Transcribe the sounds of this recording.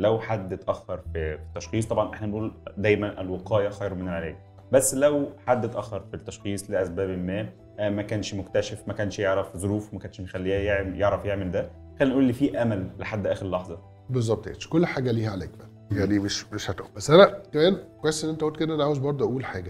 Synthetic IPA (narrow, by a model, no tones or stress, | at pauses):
læwħad̪ːet̪ʔæxːɑɾˤfifit̪ːæʃxiːsˤt̪ˤɑbʕɑnʔeħnænʔuːld̪æːjmænʔelweqɑːjæxɑjɾmenelʕelæːk̚ | bæsːlæwħad̪ːet̪ʔæxːɑɾˤfit̪ːɑʃxiːsˤleʔæsbæːbelmæː | mækæːnʃmokt̪æʃæfmækæːnʃjeʕɾæfzˤoɾuːfwemækæːnʃmjexælːiːæjeʕjeʕɾæfjeʕmeld̪æ | xæːlːinʔuːlːifiːʔæmælːeħad̪ːʔæːxeɾlːɑħzˤɑ | bezˤːɑb̚t̪ḛḛt̪ʃkolːħaːɡæliːhæʕalæʔækbæl | jaʕnimeʃmeʃhæt̪ʔuːlbæsːʔænækæmæːnkwæjesʔenːʔent̪æʔolt̪ked̪æʔænʕawezbɑɾˤd̪ˤʔæʔuːlħaːɡæ